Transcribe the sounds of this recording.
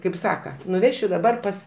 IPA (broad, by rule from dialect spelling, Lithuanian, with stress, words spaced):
kɐɪp ˈsɑːkɐ nʊˈʋʲæːʃʲʊ dɐˈbɐr pɐs